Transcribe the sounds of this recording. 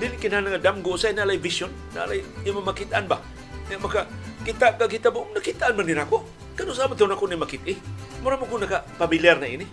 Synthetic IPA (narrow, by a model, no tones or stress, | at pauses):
dinikinanaŋadamɡʊsajnalajvisʊnːa̰lajimamakit̪anba | ɲaʔmakakit̪aʔkakit̪abʊnakit̪anmaninakʊʔ | kadʊsamat̪anakʊnimakɪt̪ɪ | mʊɾamakʊnakapamiliarnaḭni